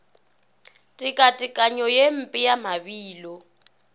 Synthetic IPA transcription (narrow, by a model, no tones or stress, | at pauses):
tʼikʼatʼɪkʼaɲɔjem̩pʼijamaβiːlɔ